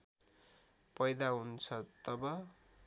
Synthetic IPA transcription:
pʌjd̪aɦunt͡sʰʌt̪ʌbʌ

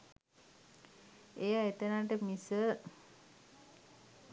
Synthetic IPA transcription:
ejaet̪ənaʈ̬əmisə

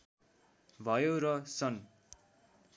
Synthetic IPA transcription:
bʱʌjoɾʌsʌn

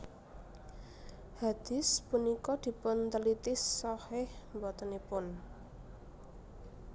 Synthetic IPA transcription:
had̪̥ɪ̤spunikɔd̪̥i̤pʊnt̪əlit̪ɪsːɔhɪhmbɔt̪ənipʊn

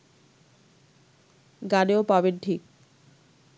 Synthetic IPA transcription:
ɡaneopabeʈʰik

